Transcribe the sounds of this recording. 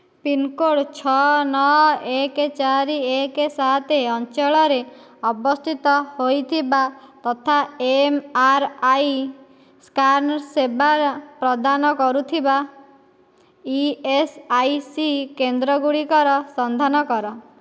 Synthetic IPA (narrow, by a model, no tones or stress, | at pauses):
pinkoɽt͡ʃʰɔnɔɦeket͡ʃaɾiekesaɦt̪ʰeɔnt͡ʃeɭɔɾe | ɔbɔst̪ʰit̪ɔhojt̪ʰibat̪ɔt̪ʰaemaɾaj | skaɾnɔɾsebaɾpɾɔd̪anɔkɔɾut̪ʰiba | iesajsikend̪ɾɔɡuɽikɔɾɔsɔnd̪ʱanɔkɔɾɔ